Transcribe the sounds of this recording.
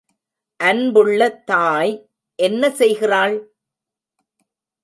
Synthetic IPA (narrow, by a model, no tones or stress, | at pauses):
ʔɐnbɯɭːɐt̪ːaːj | ʔɛnːɐsɛjɣɪraːɭ